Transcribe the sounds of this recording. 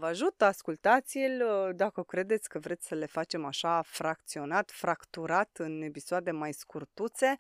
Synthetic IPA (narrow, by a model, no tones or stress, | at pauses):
vəaʒut̪əaskult̪at̪sʲilʲd̪akəkɾe̞d̪e̞t̪sʲkəvɾe̞t̪sʲsəle̞fat͡ʃe̞maʃafɾakt̪sio̞nat̪fɾakt̪uɾat̪ɨne̞pisoad̪e̞majskurt̪ut̪se̞